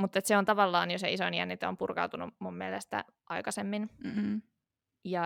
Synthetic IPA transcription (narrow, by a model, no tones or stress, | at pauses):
mut̪ːet̪seont̪ɑʋɑlːɑːnjoseisoiniænːit̪ompurkɑ̰ut̪unṵmummielest̪æ̰ | ʔɑikɑsemːin | jɑ